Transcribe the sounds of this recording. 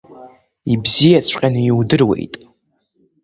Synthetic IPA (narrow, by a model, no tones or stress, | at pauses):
ibzijat͡sʷʰqʲʼanɨjwdɨrwḛjtʼ